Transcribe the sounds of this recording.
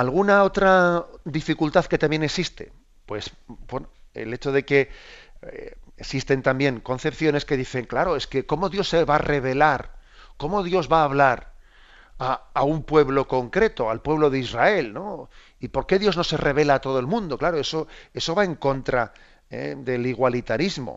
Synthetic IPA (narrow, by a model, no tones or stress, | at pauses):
alɣ̞unao̞t̪ɾad̪ifikult̪aðke̞t̪ambje̞neksist̪e̞̰ | pwe̞sbwenoḛle̞t͡ʃo̞ðe̞ke̞ | esist̪e̞nt̪ambje̞ŋko̞n̟θe̞pθjo̞neske̞ðiθe̞ŋklaɾo̞eske̞ko̞mo̞ðjo̞sːeβare̞β̞e̞laɾko̞mo̞ðjo̞zβaːβlaɾ | aaumpwe̞βlo̞ko̞ŋkɾe̞t̪o̞alpwe̞β̞lo̞ðeizrae̞lno̞ | ipo̞ɾke̞ðjo̞zno̞se̞re̞β̞e̞laːt̪o̞ð̞oelmũnd̪o̞klaɾo̞e̞so̞e̞so̞βae̞ŋko̞nt̪ɾa | ḛd̪e̞liɣwalit̪aɾizmo̰